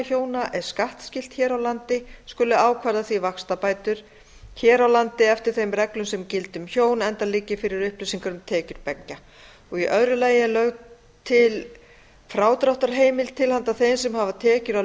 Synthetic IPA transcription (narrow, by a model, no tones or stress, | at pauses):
çoːwnaʔɛɾ̥skaht̪scɪl̥t̪çɛːɾawlant̪ɪskʏlːʏaːwkʰvaɾðaθvivakst̪apaːjt̪ʏɾ̥ | çɛːɾawlant̪ɪɛft̪ɪ̥θejmrɛklʏmsɛmcɪlt̪ʏmçoːwnɛnt̪alɪːcːɪfɪɾɪɾʏhplʏsiŋkaɾʏmt̪ʰɛːcʏɾ̥pɛcca | ɔɣiʔœðɾʏlaːjɪlœɣ | t̪ʰɪl | fɾaːwt̪ɾawht̪aɾ̥ɦeːjmɪlt̪ʰɪlhant̪aθejnsɛmɦavat̪ʰɛːcʏɾaw